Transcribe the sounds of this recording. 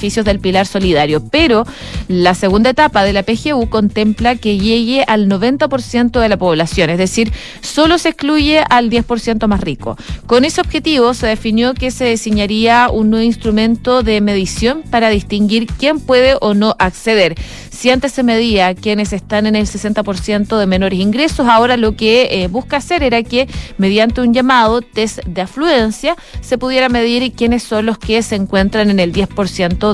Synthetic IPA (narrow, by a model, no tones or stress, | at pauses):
fisjozðe̞lpilaɾso̞liðaɾjopeɾo̞ | laseɣund̪aet̪apaðe̞lapexeuko̞nt̪emplakeʝeɣeʔalno̞βe̞nt̪apo̞ɾsje̞nt̪oðe̞lapo̞βlasjo̞nezðe̞siɾ | so̞lo̞sehkluʝeʔald̪je̞spo̞ɾsje̞nt̪omasriko̰ko̞neseob̥xe̞t̪iβoseðefinjo̞keseðesiɲaɾiaunːweβoinst̪ɾumẽ̞nt̪oðeme̞ðisjo̞mpaɾaðist̪iŋɡiɾkje̞mpwe̞ð̞eʔono̞ʔakseðe̞ɾ | siant̪eseme̞ðiakjene̞sest̪ane̞nelsese̞nt̪apo̞ɾsje̞nt̪oðe̞me̞no̞ɾesiŋɡɾe̞so̞sao̞ɾalo̞kebuhskaːse̞ɾeɾakeme̞ðjant̪e̞uɲʝamað̞ot̪esd̪eaflue̞nsja | se̞puðje̞ɾame̞ðiɾkje̞nesːo̞nloskeseːŋkwe̞nt̪ɾaneneld̪je̞spo̞ɾsje̞nt̪o